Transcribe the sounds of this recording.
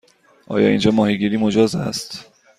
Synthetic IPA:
ʔɒ̰ːjɒ̰ːind͡ʒɒːmɒːɦiɡiːɾiːmod͡ʒɒːzæ̰st̪

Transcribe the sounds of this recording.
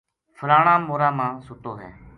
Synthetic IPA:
fʰəlaːɳãːmoːɾãːmãːsʊt̪oːɦɛ̰ː

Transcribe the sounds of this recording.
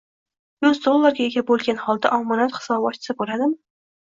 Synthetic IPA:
jɵzd̪olˠːaɾɡʲaeɡʲabolˠɡʲanhɒlˠd̪a̰ʔɒmɒnat̪χɨ̥sɒbɒt̪t͡ʃʰːɪ̥sɪbolad̪ɪm

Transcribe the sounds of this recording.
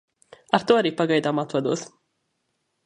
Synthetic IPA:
aɾt̪uɔaɾiːpaɡajd̪aːmat̪vad̪uɔs

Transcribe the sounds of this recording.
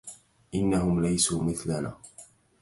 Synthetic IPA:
ʔɪnːahʊmlajsuːmɪθlana̰ː

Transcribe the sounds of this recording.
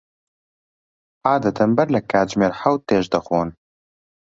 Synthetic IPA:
aːd̪ɐt̪əmbɐɾlɨkaːd͡ʒmeːɾħawt̪ːeːʒd̪əxoːn

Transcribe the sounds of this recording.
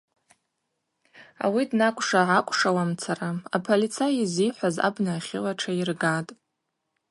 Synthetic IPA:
a̰widnakʷʼʂaʕakʷʼʂawamt͡sʰaraapʰolit͡sʰajiziħʷaza̰bnaːχʲɪ̰laʈ͡ʂʰairɡatʼ

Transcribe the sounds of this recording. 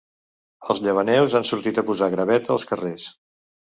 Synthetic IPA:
əlˠzʎəβ̞ənɛwzansuɾt̪it̪əpuzaɣɾəβɛt̪əːlˠskəres

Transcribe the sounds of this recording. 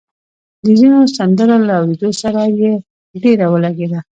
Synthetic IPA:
d̪əzinosand̪əɾalaawɾed̪osaɾaje | ɖeɾawəlaɡed̪a

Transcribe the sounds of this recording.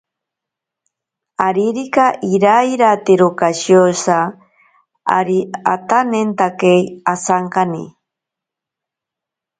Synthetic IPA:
aɾiɾikaʔiɾaiɾat̪eɾokaʃjosa | a̰ɾia̰t̪anent̪akejasaŋkanḭ

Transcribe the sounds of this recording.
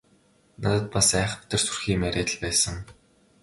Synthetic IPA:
nat̪ə̆t̪̚pasæːχ̆pt̪ə̆rsurxiːmæɾʲʔæːt̪ə̆ɮpæːsə̆ŋ

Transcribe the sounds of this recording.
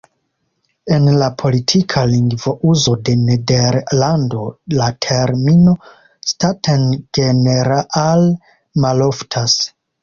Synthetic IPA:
e̞nlapʰo̞litʰikʰaliŋɡvoʔuzo̞de̞nedeɾlando̞latʰeɾmino̞ | statʰenɡ̥eneɾaʔal | malo̞ftʰas

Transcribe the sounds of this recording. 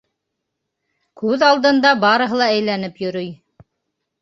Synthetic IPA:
kʉðɑlˠd̪ɤ̆nd̪ɑbɑɾɤ̆ɦɤlˠɑæjlænɘpjɵ̆ɾɵj

